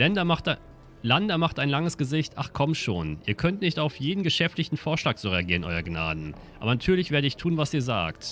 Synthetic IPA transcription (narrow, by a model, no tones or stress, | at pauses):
lɛndɐt | landɐmaχtaɪnlaŋəsɡ̥əzɪçtʔa̰χkʰɔmʃoːnʔiːɐkʰœntnɪçtaʊfjeːdn̩ɡəʃɛftlɪçtn̩foːɐʃlaːk̚z̥oːʁeaɡiːʁənʔɔ̰ʏɐɡna̰ːdn̩ | ʔa̰ːbɐnatʰyːɐlɪçv̥eːɐɾəɪçtʰuːnvasiːɐza̰ːkt